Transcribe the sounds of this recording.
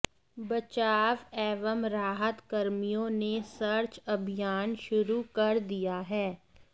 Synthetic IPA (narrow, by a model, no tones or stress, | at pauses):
bɐt͡ʃaːʋɛːʋəmɾaːɦət̪kɐɾmijõnesɐɾt͡ʃɐbʱijaːnʃʊɾukɐɾd̪ijaɦɛː